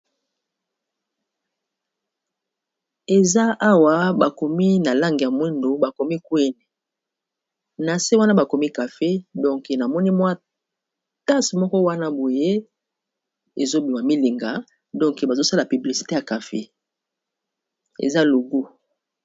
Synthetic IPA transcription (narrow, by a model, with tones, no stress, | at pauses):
e˨za˦ʔa˦wa˨ba˨ko˨mi˦na˨la˦ŋɡi˨ja˨mwɛ˦ndo˨ba˨ko˨mi˦kwe˦nɛ˨ | na˨se˦wa˦na˦ba˨ko˨mi˦ka˨fe˦dɔ˦ŋke˨na˨mɔ˦ni˦mwa˦ | ta˦smɔ˦kɔ˦wa˦na˦bo˨je˦ | e˨zo˦bi˨ma˨mi˦li˨ŋɡa˨ | dɔ̃˦ŋke˨ba˨zo˦sa˦la˨pi˨bli˨si̥˨te˦ja˨ka˨fḛ˦ | ḛ˨za˦lo˨ɡu˦